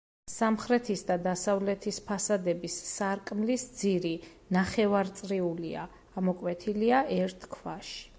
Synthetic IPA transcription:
samχɾɛt̪ʰisd̪ad̪asavlɛt̪ʰispʰasad̪ɛbisːaɾkʼmlisd̪ziɾi | naχɛvaɾt̪sʼɾiulia̰ː | mɔkʼwɛt̪ʰiliaʔɛɾt̪ʰkʰvaʃi̥

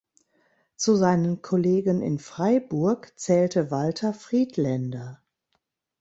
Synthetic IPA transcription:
t͡suzaɪnənkʰɔleːɡənɪ̰nfʁ̥aɪbʊɐkt͡sɛːltəvaltʰɐfʁ̥iːtlɛndɐ

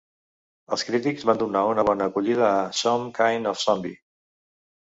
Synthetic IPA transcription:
əlˠskɾit̪ikzβand̪unaunəβ̞ɔnəːkuʎið̞əːsɔmkajnɔfsɔmbi

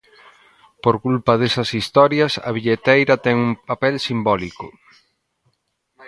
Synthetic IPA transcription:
poɾkulpɐð̞esɐsist̪ɔɾjɐsɐ̰β̞iʎet̪ejɾɐt̪ɛŋuŋpapɛlsimbɔlikʊ

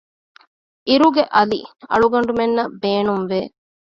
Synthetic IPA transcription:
iɾuɡeʔɐliɐ̰ɭuɡɐɳ̆ɖumenːɐbeːnumʋeː

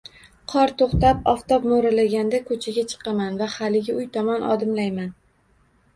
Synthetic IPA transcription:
qʰɒɾt̪ʰoχt̪apɒft̪ɒp̚moɾalaɡʲand̪akʰɵt͡ʃʰaɡʲat͡ʃʰɨ̥qʰɑmanvahalɪɡʲaʊjt̪ʰɒmɒnʔɒ̰d̪ɪmlajman

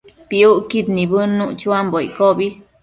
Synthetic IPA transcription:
piuʔkit̪nibənːuʔt͡ʃuamboj̰kobi

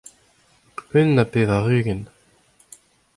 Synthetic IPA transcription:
ʏnːapeːðaʁyːɡɛn

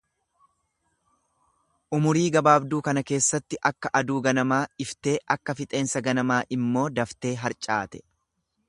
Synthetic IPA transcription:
ʔʊmʊɾiːɡɐbaːbd̪uːkɐnɐke̞ːsːɐt̪ːɪʔɐkːɐʔɐd̪uːɡɐnɐmaːɪft̪e̞ːʔɐkːɐfɪt̪ʼe̞ːnsɐɡɐnɐmaːʔɪmːo̞ːd̪ɐft̪e̞ːɦɐɾt͡ʃʼa̰ːt̪ɛ̥

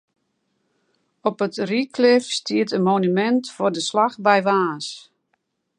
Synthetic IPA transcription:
ɔpətrikʰlɪfstiətənmonymɛntfʊdəslaxbɛjʋaːs

